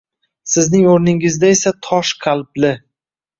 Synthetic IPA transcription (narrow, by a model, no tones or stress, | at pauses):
sɪznɪŋoɾnɪŋɪzd̪ae̞sat̪ʰɒʃqʰalˠblɪ